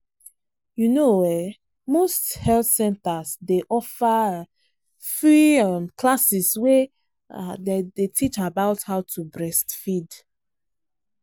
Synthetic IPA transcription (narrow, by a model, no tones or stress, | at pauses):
junowɛ | mosthɛlθsɛ̃ntasdeʔɔfa | fɹiamkʰlasiswɛ | dedetʰit͡ʃabaʊthaʊtʰubɹɛstfid